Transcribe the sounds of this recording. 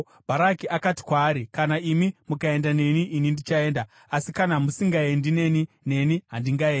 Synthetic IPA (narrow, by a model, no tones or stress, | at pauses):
bʱaɾakiʔakati̥kwaːɾikanaimimukae̞ndane̞niʔinindit͡ʃae̞nda | asikanamusiŋɡaendine̞ni | ne̞niɦandiŋɡaeːn